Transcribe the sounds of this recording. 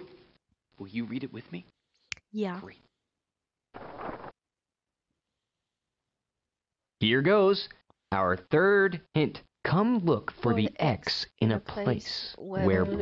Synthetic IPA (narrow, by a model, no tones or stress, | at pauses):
wɪlˠjɨɹiɾɨʔ̚wɨðmi | j | hiɹɡoʊz | ʔaʊə˞θɜ˞d̚hɪ̃nt | kʰʌ̃mlʊkfə˞ðiʔɛksʔɨ̃nɨpʰll̥eɪswə˞